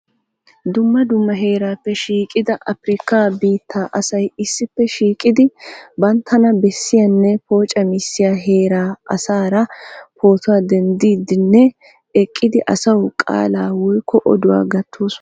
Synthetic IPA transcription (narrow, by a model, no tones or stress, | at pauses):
d̪ʊmːɐd̪ʊmːɐɦeːɾaːpːɛʃiːkʼɪd̪ɐʔɐfɾɪkːabiːt̪ʰːaːʔɐsɐjɪsːɪpːɛʃiːkʼɪd̪ɪbɐnt̪ʰːɐnɐbɛsːɪjɐnːɛpo̞ːt͡ʃʼɐmɪsːɪjaɦe̞ːɾaːʔɐsaːɾɐpo̞ːt̪ʊwaːd̪ɛnd̪iːd̪ɪnːɛ | ɛkʼːɪd̪ɪʔɐsɐwkʼa̰ːlaːwɔjkːɔʔɔd̪ʊwa̰ːɡɐt̪ʰːuːs